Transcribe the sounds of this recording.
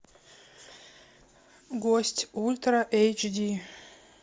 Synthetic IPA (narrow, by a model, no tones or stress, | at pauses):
ɡosʲtʲulʲt̪raʔejt͡ʃd̪ʲi